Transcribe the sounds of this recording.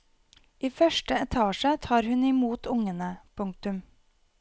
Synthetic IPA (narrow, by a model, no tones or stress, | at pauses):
ʔiːfœʃʈəɛt̪ʰɑːʃət̪ʰɑːɾhʉnɪmuːt̪ʰʊŋənəpʰʊŋ̚t̪ʉm